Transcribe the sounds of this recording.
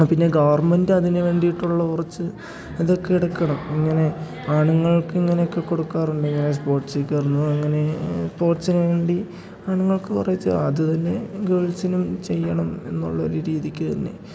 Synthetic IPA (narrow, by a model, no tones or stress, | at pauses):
pinːe̞ɡɐʋɐrmendɨɐðinɨʋe̞ːɳɖijiʈːuɭːɐkurɐt͡ɕːɨ | iðo̞kːeiɽɐkːɐɳɐmiŋːɐne̞ | aːɳuŋːɐɭkɨiŋːɐneokːe̞kːo̞ɽukːaːruɳɖɨiŋːɐne̞s̬po̞ːrʈsikʲːerunːuɐŋːɐne̞spo̞ːrsinʋe̞ːɳɖi | aːɳuŋːɐɭkɨpɐrɐjit̪ːɐ̰ɐðɨt̪ɐnːe̞ɡeːɭsinumt͡ɕe̞jːɐɳɐme̞nːṵɭːɐo̞̰ɾuɾiːðikʲːɨt̪ɐnːe̞̰